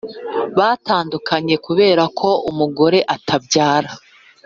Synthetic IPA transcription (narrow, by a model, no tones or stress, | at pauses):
βaːtaːndukʰaɲe̞kuβe̞ːɾakʰo̞umuɡo̞ɾe̞ʔatʰabɟaːɾa